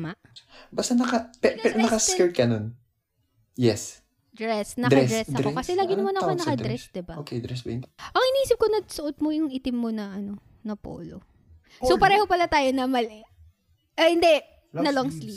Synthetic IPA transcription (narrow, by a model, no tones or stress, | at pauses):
maʔbɐst̪ɐnɐkɐppɛɾnɐkɐskɛɹ̚kɐnon | jɛs | d̪ɹɛsnɐkd̪ɾɐɛsɾɛsdɐokɐsɛlaːɡɪnɐmanɐkkonɐkɐd̪ɾɛsd̪ɪbaokɛd̪ɾɛsbɐʔɐŋʔɪnihiːsɪp̚konɐɡsʊʔot̪̚mojʊŋʔɪt̪ɪmːonɐʔɐno̞ | nɐpo̰ːlo | sopɐɾɛːho̞pɐlat̪aːjonɐmɐlɛ | ʔohɪnd̪ɛ | nɐloŋsli